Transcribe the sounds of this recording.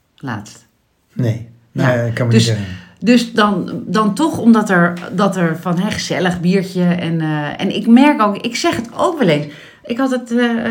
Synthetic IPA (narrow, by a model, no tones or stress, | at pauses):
la̰ːtst | nej | kɑnmdəsdɵsdɑndɑntɔχɔmdɑtɛɹdɑtɛɹfɑnɦɛχəz̥ɛləχbiːɹt͡ʃəɛnɛ̰nɪkmɛɹkowkɪksɛχəto̰wkʋɛlens | ɪkɦɑtət